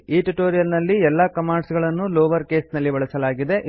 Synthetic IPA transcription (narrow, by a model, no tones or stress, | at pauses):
iːʈuʈoːɾijɐlnɐlːiɛlːɐkɐmaːɳɖsɡɐɭɐnːuloːʋɐɾke̞ːsnɐlːiʋɐɭɐsɐlaːɡid̪e̞ʔ